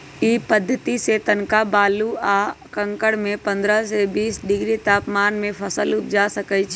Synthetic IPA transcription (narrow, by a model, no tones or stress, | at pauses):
iːpəd̪ʱːət̪iset̪ənkabaːlua | kə̃ŋkəɽmẽpə̃nd̪ɾəsebiːsɖɪɡɾit̪aːpmaːnmẽpʰəsəlʊp̚d͡ʒasəkət͡ʃʰ